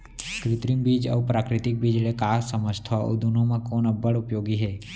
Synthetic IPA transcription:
kɾɪt̪ɾimbiːd͡ʒə̰ːpɾaːkɾɪt̪ɪk̚bid͡ʒlekaːsəməd͡ʒt̪ʰɔ̰d̪unõmẽkoːnəbəɽʊpjoːɡiɦɛː

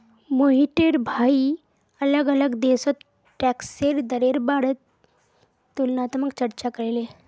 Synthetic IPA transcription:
moɦiʈeɾbʱai | ələɡələɡd̪esət̪ | ʈɛkseɾd̪əɾeɾbaɽət̪ː | ulnat̪mək̚t͡ɕəɾt͡ɕakəɾile

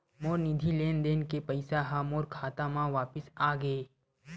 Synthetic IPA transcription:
moːɾnɪd̪ʱileːnd̪eːnkepɐɪsaɦamoːɾkʰaːt̪amãʋaːpɪsaːɡeː

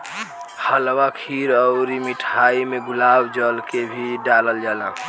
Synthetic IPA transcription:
həlwakʰiɾəʊɾimiʈʰaimeɡulabd͡ʒəlkebʱiɖaləld͡ʒalã

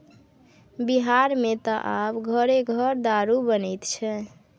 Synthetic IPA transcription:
biɦaɾmet̪ɔʔabɡʱəɾeɡʱəɾd̪aɾubənɛjt̪t͡ʃʰɛ

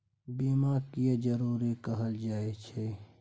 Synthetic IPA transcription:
biːmakied͡ʒəɾuːɾikəɦəld͡ʒaːet͡ʃʰe

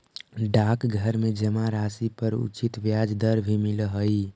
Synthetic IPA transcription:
ɖakɡʱəɾmed͡ʒəmaɾasipəɾṵt͡ʃit̪ʋjad͡ʒd̪əɾbʱimiləɦəi

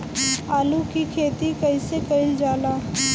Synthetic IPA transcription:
aːlukikʰeːt̪ikəɪsekəɪld͡ʒaːla

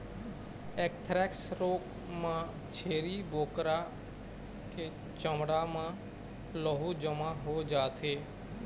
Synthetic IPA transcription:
eːkt̪ʰɾɛːksɾoːk | mãː | t͡ʃʰeːɾiːboːkɾa | ke | t͡ʃəmɽaːmãː | lɔɦud͡ʒəmãɦoːd͡ʒaːt̪ʰeː

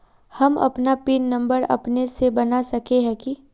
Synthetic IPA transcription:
hɐmɐ̰pnapinːɐ̃mbəɾɐ̰pnesebɐnasɐkeɦɛ̃ki

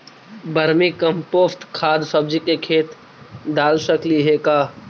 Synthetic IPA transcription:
bəɾmikɐmpoːst̪kʰaːd̪səb̚d͡ʒikekʰeːt̪ | d̪aːlsəkliɦeːkaː

